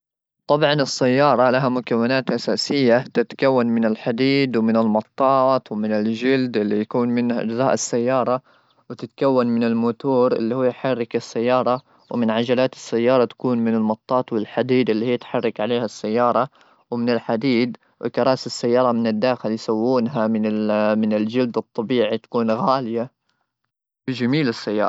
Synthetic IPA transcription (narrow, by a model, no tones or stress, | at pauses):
t̪ˤɑbʕɑnɪsːajːɑːɾˤɑlaɦamʊkawːɪnaːt̪ʔasaːsɪjːat̪ɪt̪kawːanmɪnɪlħad̪iːd̪wmɪnɪlmɑt̪ˤːɑːt̪wɪmɪnɪld͡ʒɪld̪ʔɪlːijakuːnmɪnʔɪ̰d͡ʒðˤɑːʔɪsːajːɑːɾˤɑ | wɪt̪ɪt̪kawːanmɪnɪlmʊt̪uːɾʔɪ̰lːihʊːjħɑrˤːɑkɪsːajːɑːɾˤɑ | wmɪnʕad͡ʒalaːt̪ɪ̥sːajːɑːɾˤɑt̪ḁkuːnmɪnɪlmɑt̪ˤːɑːt̪wɪlħad̪iːd̪ɪlːiːhijːat̪ħɑrˤːɑkʕaleːhasːajːɑːɾˤɑ | wmɪnɪlħad̪iːd̪ | wɪkɑɾˤɑːsɪsːajːɑːɾˤɑmɪnɪd̪ːaːxɪljsawːuːnɦamɪnɪmɪnɪld͡ʒɪld̪ɨt̪ˤːɑbiːʕit̪ḁkuːnɣaːlɪja | bɪd͡ʒamiːlɪsːajːɑ̰ː